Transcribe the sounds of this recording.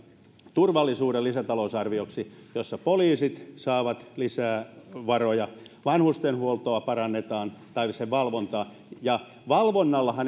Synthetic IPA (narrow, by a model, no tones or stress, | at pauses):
t̪urʋɑlːisuːɾelisæt̪ɑlousɑrʋioksijosːɑpoliːsit̪sɑːʋɑt̪lisæːʋɑrojɑʋɑnhust̪enhuolt̪oɑpɑrɑnːet̪ɑːnt̪ɑiseʋʋɑlʋont̪ɑː | jɑ | ʋɑlʋonːɑlːɑhɑn